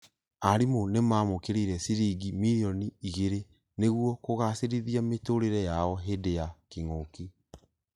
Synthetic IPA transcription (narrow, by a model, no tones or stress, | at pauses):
aɾimonemaːmokeɾeɾɛsiɾiɡimiɾiɔniiɣeɾe | neɣuɔkoɣaseɾiðiametoɾeɾɛjaɔɦedejakiŋoki